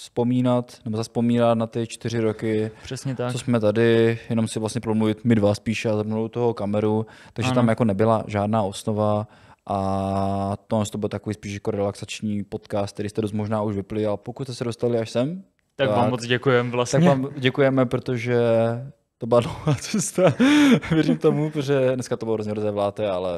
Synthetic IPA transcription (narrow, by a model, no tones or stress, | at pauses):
spo̞miːnat̪nɛbozaspo̞miːnat̪nat̪ɪt͡ʃt̪ɪɾɪɾokɪpr̥ɛsɲɛt̪asosmɛt̪adɪjɛno̞msɪvlast̪ɲɛpɾomluvɪt̪mɪdvaspiːʃɛazapmnot̪oɦokamɛɾut̪aɡʒʒɛt̪amjako̞nɛbɪlaʒaːdnaːosnovaʔa | t̪onɛnst̪obɪlt̪akoviːspiːʃjako̞ɾɛlaksat͡ʃɲiːpo̞t̪kaːst̪t̪ɛɾiːst̪ɛdo̞st̪mo̞ʒnaːuʒvɪplɪapokut̪st̪ɛsɛdo̞st̪alɪaʃsɛm | t̪akvaaːmot͡sɟɛkujɛmvlasaɲvaːmɟɛkujɛmɛpɾot̪oʒɛ | t̪obɪladloaːt͡sɛst̪avjɛɾimt̪omupɾoʒɛdnɛskat̪obɪlɦɾozɲɛɦɾozɛvlaːt̪ɛalɛ